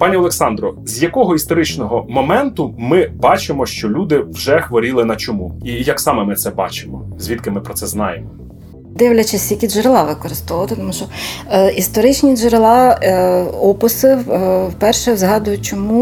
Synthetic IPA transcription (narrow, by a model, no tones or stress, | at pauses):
pɑnʲiɔlˠeksɑnd̪ɾɔzʲjɐkɔɦɔist̪ɔɾɪt͡ʃnɔɦɔmɔmɛnt̪ʊmɪbɑt͡ʃɪmɔʃt͡ʃɔlʲud̪ɪwʒɛxʋɔɾʲilˠɪnɐt͡ʃɔmuijɐksɑmɛmɪt̪sɛbɑ̰t͡ʃɪ̥mɔzʲʋʲit̪kɪmɪpɾɔt̪sɛznɑ̰jemɔ | d̪ɪwlʲɐt͡ʃɪsʲjʲɐkʲiʒʊɾlˠɑʋɪkɔɾɪst̪ɔʋɐt̪ɪt̪ɔmuʃt͡ʃɔist̪ɔɾɪt͡ʃnʲiʒʊɾelˠɑ | ɔpʊsɪwwpɛrʃɛwzɦɑd̪ʊjʊt͡ʃɔmu